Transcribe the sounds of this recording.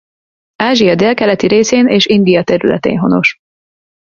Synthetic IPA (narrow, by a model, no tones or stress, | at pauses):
aːʒiɒd̪eːlkɛlɛt̪iɾeːseːnʔeːʃind̪ijɒt̪ɛɾylɛ̰t̪ḛːnɦo̞̰no̞̰ʃ